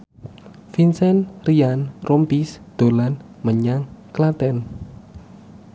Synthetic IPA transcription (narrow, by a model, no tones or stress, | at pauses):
finsɛnrianrʔompisd̪̥o̤lan | məɲaŋklat̪ɛn